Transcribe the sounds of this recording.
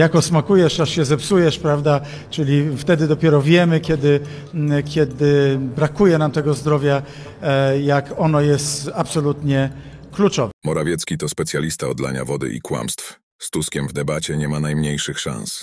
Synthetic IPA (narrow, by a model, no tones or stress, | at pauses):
jakɔsmakujɛʂaʂɕɛzɛpsujɛʂpɾavd̪a | t͡ʂɘlʲift̪ɛd̪ɘd̪ɔpʲjɛɾɔvʲjɛmɘkʲjɛd̪ɘ | kʲjɛd̪ɘbɾakujɛnamt̪ɛɡɔzd̪ɾɔvʲja | jakɔnɔjɛst̪apsɔlut̪ɲɛklut͡ʂɔvɛmɔɾavʲjɛt̪skʲit̪ɔspɛt̪sʲjalʲist̪aɔd̪la̰ɲa̰vɔd̪ɘ̰ʔḭkwa̰mst̪f | st̪uskʲɛmvd̪ɛbat͡ɕɛɲɛmanajmɲejʂɘxʂã̰ñs